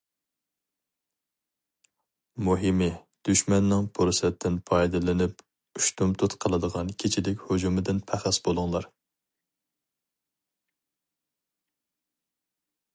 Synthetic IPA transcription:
muɦɪmɪ | d̪̥yʃmɛnːɪŋpʰoɾsɛt̪ʰːɪnpʰɑjd̪ɨlɪnɪp | yʃt̪umt̪ʰut̪qʰəlˠɨd̪əʁɑnkʲʰet͡ʃʰilɪkʲhod͡ʒumɪd̪ɪnpʰæχæsbolˠʊŋlˠɑɾ

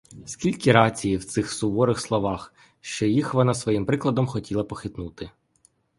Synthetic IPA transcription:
skʲilʲkiɾɑt͡sʲijiwt̪sɪxsʊbɔɾɪxslˠɔʋɑx | ʃt͡ʃɔjixʋɔnɑsʋɔjimpɾɪklˠɐd̪ɔmxɔtʲilˠɐpɔxɪt̪nut̪ɪ

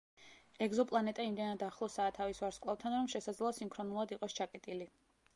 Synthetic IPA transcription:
ɛɡzɔpʼlˠanɛt̪ʼaimd̪ɛnad̪aχlˠɔsaːt̪ʰavisvaɾskʼlˠaf̚t̪ʰanɾɔmʃɛsad̪zlˠɔasimkʰɾɔnulˠad̪iqʼɔst͡ʃʰakʼɛt̪ʼili

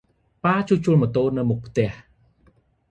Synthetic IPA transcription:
paːt͡ɕut͡ɕuəlmɔ̆t̪oːlnɨwmuk̚pʰt̪ɛ̆əh

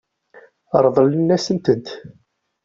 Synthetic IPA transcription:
əɾˤðˤələnːæsənt̪ənt̪

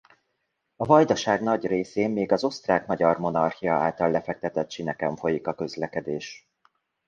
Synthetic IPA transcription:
ɒvɒjd̪ɒʃaːɡnɒɟreːseːmːeːɡɒzo̞st̪raːkmɒɟɒrmo̞nɒrxijɒaːlt̪ɒlːɛfɛk̚t̪ɛt̪ɛt̪ʃinɛkɛɱfo̞jikɒkøzlɛkɛd̪eːʃ

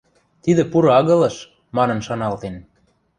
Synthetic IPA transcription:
t̪id̪ĕpuɾoɑɣɤ̆lɤ̆ʃ | mɑnɤ̆nʃɑnɑlt̪en

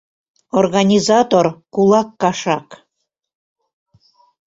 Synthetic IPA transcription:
orɣɑnʲizɑt̪orkulˠɑkːɑʃɑk

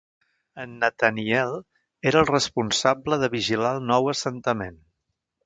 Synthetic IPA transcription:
ənːət̪əniɛlˠ | eɾəlˠrəspunsabləðəβiʒilalˠnɔwəsənt̪əmen

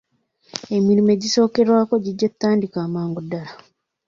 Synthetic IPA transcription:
e̞miɾime̞ɟiso̞ːke̞ɾwaːko̞ɟiɟːet̪ːaːndikaːmaːŋɡudːala

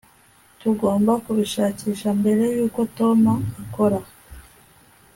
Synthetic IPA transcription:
tuɡo̞ːmbakuβiʃaːciːʃambe̞ɾe̞juːko̞to̞maːko̞ɾa

